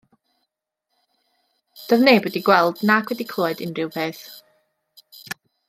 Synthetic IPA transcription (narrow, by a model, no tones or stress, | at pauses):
d̥əvneːbɔdiɡwɛlˠd̥nakʰwɛdikʰlˠɔːɨdɪnrɪwpʰeːθ